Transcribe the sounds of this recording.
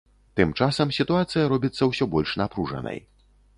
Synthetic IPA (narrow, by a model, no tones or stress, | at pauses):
t̪ɨmt͡ʂasɐmsʲit̪uat̪sɨjɐɾɔbʲit̪sːɐwsʲɔbɔlʲʂnapɾuʐɐ̰nɐ̰j